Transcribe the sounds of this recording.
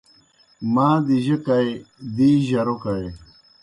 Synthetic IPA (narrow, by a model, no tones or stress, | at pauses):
maːd̪iʑekajd̪iːʑɐɾokae